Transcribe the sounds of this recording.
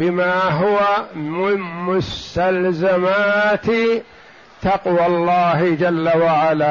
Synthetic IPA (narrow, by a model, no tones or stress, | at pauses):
bɪmaːɦʊwamɪmmʊst̪alzamaːt̪ | t̪ɑqwalːɑːɦɪd͡ʒalːawaʕalaː